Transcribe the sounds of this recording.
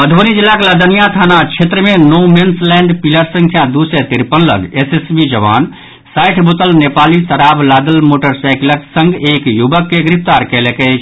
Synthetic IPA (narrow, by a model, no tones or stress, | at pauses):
pəd̪ʱonid͡ʒilːakeləd̪ənijat̪ʰanat͡ʃʰet̪ɾəmenomenslɛɳɖpiləɾsə̃ŋkʰjãd̪usɛt̪iɾpənlə̰nesesbid͡ʒəʋa̰n | sajʈʰbot̪əlnepalisəɾablad̪əlmoʈəɾsajkləksə̃ŋɡekjubəkːeɡɾip̚ʰt̪aɾkɛlekɛt͡ʃʰ